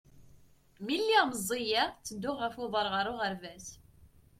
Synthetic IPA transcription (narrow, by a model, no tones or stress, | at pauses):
milːiməzˤːijæt͡sːəd̪ːʊʁːəfoðˤəɾˤʁəɾˤʊʁəɾvæs